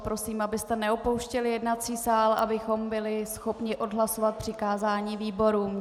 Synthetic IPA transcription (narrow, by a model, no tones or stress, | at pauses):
pɾo̞siːmabɪst̪ɛnɛopo̞wʃcɛlɪjɛdnat͡siːsaːla̰bɪxo̞mbɪlɪsxo̞pɲɪʔo̞dɦlaso̞vat̪̚pr̥ɪkaːzaːɲiːviːbo̞ɾuːm